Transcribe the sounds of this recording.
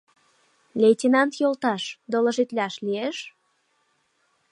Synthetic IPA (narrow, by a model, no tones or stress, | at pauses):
lʲetʲenɑnt̪jolt̪ɑʃd̪olə̆ʒit̪lʲɑʃlieʃ